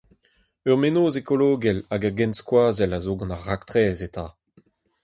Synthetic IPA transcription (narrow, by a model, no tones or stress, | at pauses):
œʁmenoːzekɔloːɡɛlaɡaɡɛ̃nskwaːzɛlazoɡɑ̃naʁːakt̪ʁɛːzetaː